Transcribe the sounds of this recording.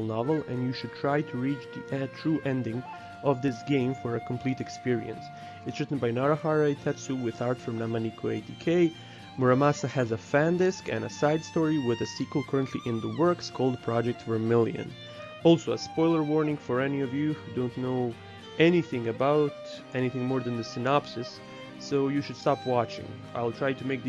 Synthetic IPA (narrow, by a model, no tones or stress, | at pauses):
lˠnɑvl̩ˠɨ̰̃njɨʃɨd̚tʰɹ̥ajtʰɨɹit͡ʃðiɛtʰɹ̥uʔɛ̃ndɪ̃ŋ | ʔʌvðɪsɡ̥ẽɪ̃ɱfə˞ɨkʰm̩pʰl̥iɾɨkspɪɹḭɨ̰̃ns | ɨtsɹɪtn̩bajnaɹahɑɹajtʰɛtsuwɪðaɹtfɹʌ̃mnamanikʰoeɪtikʰeɪ | mɔɹamasəhɨzəfæ̃ndɪskɨ̰̃nə̰saɪd̥stɔɹiwɪðɨsikwəl̩ˠkʰɜ˞ə̃ntʰlḭʔɪ̃nðəwɜ˞kskʰɔlˠd̚pʰɹ̥ɑd͡ʒɛk̚tvə˞mɪlˠjɨ̰̃n | ɔlˠsoʊəspɔɪlˠə˞wɔɹnɪ̃ŋfə˞ɛniʌvjɨhudõʊ̃nnoʊ | ʔɛniθɪ̃ŋɨbaʊt | ɛñiθɪ̃ŋmɔɹðɨ̃nðɨsɨnɑpsɨsː | oʊjɨʃɨd̥stɑpʰwɑt͡ʃɪ̰̃ŋ | a̰ɪlˠtʰɹ̥aɪtɨmeɪk̚